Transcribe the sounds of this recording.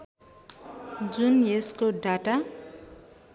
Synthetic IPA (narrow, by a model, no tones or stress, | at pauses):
d͡zunjeskoɖaʈa